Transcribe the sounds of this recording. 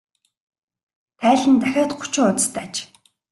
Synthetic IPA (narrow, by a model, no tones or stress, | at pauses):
t̪ʰæːɮɘ̆nt̪æxʲɔːt̪ɢʊ̥t͡ɕʊːʊt͡s̪st̪ʰæːt͡ɕ